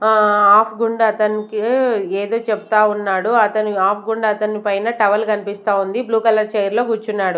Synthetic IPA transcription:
aːpʰɡuɳɖɐt̪ɐnikieːd̪o̞ːt͡ʃebut̪aːunːaːɽuɐt̪ɐniaːpʰɡuɳɖɐɐt̪ɐnipɐjnɐʈɐʋɐlkɐnipist̪aːund̪ibluːkɐlɐɾt͡ʃɐjɐɾlo̞ːɡuɾt͡ʃunːaːɽu

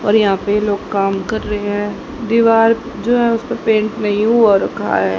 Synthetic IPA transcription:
ɔːɾjɐɦãpejeloːɡkaːmkɐɾːɐɦeɦɛ̃ː | d̪iʋaːɾ | d͡ʒoːɦɛ̃ʊspepẽːɳʈnɐɦĩuaɾɐkʰa̰ɦɛː

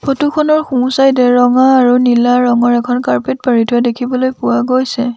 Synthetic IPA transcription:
pʰotukʰɔnɔɹxũsajdɛɹɔŋaːɹunilaɹɔŋɔɹɛkʰɔnkaɹpet̚paɹitʰʊɛdekʰibɔlojpʊwaɡojsɛ

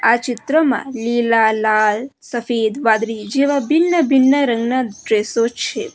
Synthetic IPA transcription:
at͡ʃɪt̪ɾəmã̰lilalalsəfed̪ʋad̪ɾid͡ʒeʋabɪnːəbɪnːəɾəŋɡnaɖɾesot͡ʃʰe

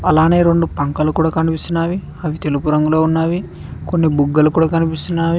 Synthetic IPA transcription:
ɐlaːneːɾeɳɖupɐŋkɐlukuːɽaːkɐnipist̪unːaːʋi | ɐʋit̪e̞lupuɾɐŋɡuloːunːaːʋi | ko̞nːibuɡːɐlukuːɽaːkɐnipist̪unːaːʋi

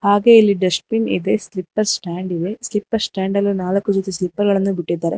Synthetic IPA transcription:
haːɡe̞ilːiɖɐsʈ̚pinḭd̪eslipːɐɾsʈaːɳɖid̪e̞slipːɐɾsʈaːɳɖɐlːunaːlɐkːud͡ʒot̪ːislipːɐɾɡɐɭɐnːubiʈːid̪ːaːɾe

